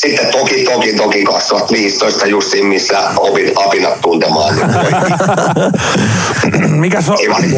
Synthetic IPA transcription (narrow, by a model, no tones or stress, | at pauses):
sit̪ːet̪okit̪okint̪okikɑssoʋɑt̪ʋiːst̪oist̪ɑjust̪iːmmisːæopinɑpinɑt̪t̪unt̪emɑ̰ːnː | mikæsoeʋɑ